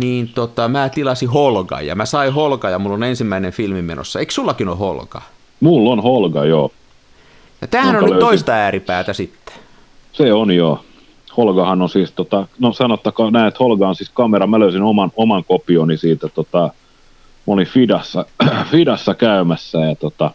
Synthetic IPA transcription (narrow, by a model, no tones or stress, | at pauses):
niːnt̪ot̪ɑmæːt̪ilɑsiholɡɑ̰jjɑ̰mæsɑiholɡɑjɑmulːonensimːæinenfilmimḛno̰sːɑeiksulːɑkino̰ho̰lɡ̥ɑ̰ | mulːonholɡɑjoː | jɑt̪æːhænnolløt̪oistt̪ɑæːripæːt̪æsit̪ːe̥ | seonjoː | holɡɑhɑnonsiːst̪ot̪ɑnosɑnot̪ːɑkɑnæˑiet̪holɡɑɑnsiskɑmeɾɑmæløysinomɑnomɑŋkopionisiːt̪æt̪ot̪ɑ | molifidɑsːɑfidɑsːɑkæymæsːæjɑt̪ot̪ɑ